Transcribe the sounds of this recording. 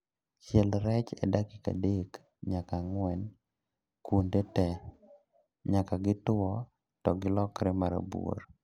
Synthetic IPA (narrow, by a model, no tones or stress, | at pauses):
t͡ʃɛlɾɛt͡ʃɛ̰dakɪka̰dek | ɲakaŋwɛn | kundetɛ | ɲakaɡɪtʊɔ | tɔɡɪlɔkɾɛmaɾa̰buo̰ɾ